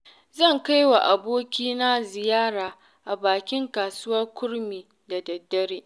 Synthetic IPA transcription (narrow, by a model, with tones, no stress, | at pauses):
zɐ˦˨ŋka˦jwa˨ʔa˨boː˦kʲiː˦na˦zɪ˨jaː˦ɾaː˨ | ʔa˨baː˨kʲɪ˦ŋkaː˨sʊ˦wɐ˦rkʷʊ˦ɽmiː˨ | da˨dɐ˨dːɐ˦ɾeː˦ʔ